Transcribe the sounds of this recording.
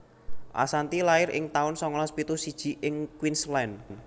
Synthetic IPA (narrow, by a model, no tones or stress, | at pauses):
ʔa̰sant̪ilaɪɾɪ̰ŋt̪aʊnsɔŋɔlɔspit̪usid̥ʒ̥i̤ʔɪŋkwinslɛnn